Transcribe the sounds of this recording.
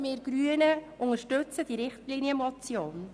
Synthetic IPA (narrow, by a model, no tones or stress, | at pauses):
mɪːɾɡ̥ɾyənəʔʊŋəʃtɵt͡səd̥iɾɪχtlinjəmɔt͡sjoːn